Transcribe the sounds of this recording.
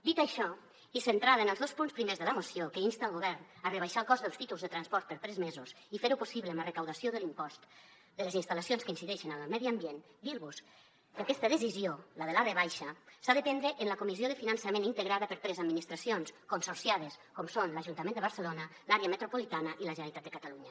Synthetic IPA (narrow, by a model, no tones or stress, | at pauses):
d̪it̪aʃɔ | isent̪ɾaðəenəlˠzðospunspɾimezðələmosjokəinst̪aəlˠɣoβɛɾnarəβajʃalˠkɔzðəlˠst̪it̪ulˠzðət̪ɾanspɔɾt̪̚pəɾt̪ɾɛzmezus | ifeɾupusiβləːmərekawðasjoðəlimpɔst̪ | d̪ələzinst̪alasionskəinsiðɛʃənallmɛðiambjen | d̪iɾβus | kəakɛst̪əðəsiziolað̞əlareβ̞ajʃəsaðəpɛnd̪ɾəʔːnləkumizioðəfinansamẽnint̪əɣɾaðəpəɾt̪ɾɛzad̪minist̪ɾasionskonsoɾsjað̞əskɔmsonlaʒunt̪amẽnd̪əβəɾsəlonəlaɾeəmət̪ɾupolit̪anəʔiləʒənəɾit̪at̪d̪əkat̪aluɲə